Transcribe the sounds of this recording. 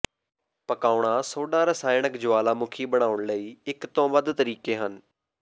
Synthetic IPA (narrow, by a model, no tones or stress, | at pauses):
pəkaːʊɳaːsoːɖãːɾəsaːɪɳəkd͡ʒʊʋaːlaːmʊkʰiːbəɽ̃aːʊɳləiːɪkt̪õːʋəd̪t̪əɾiːkeːɦən